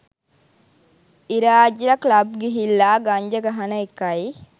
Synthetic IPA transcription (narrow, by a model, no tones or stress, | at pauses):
iɾaːd͡ʒiɾɐklɐb̚ɡeɦilːaːɡɐɲd͡ʒɐɡɐɦɐnɐekːɐi